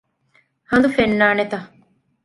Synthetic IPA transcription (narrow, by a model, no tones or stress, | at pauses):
hɐnd̪ufenːaːnet̪ɐ